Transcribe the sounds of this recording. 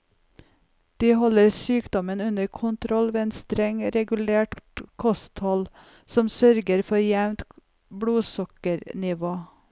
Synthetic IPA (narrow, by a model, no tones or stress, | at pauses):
d̪̥iːhɔləɾsyːkd̪ɔmənʉnəɾkʰʊnt̪ʰɾɔlʋeːeːnst̪ɾɛŋɾɛɡʉleːʈkʰɔst̪hɔl | sɔmsœɾɡəɾfɔɾjæʋnt̪ | bɽuːsɔkəɾnɪʋoː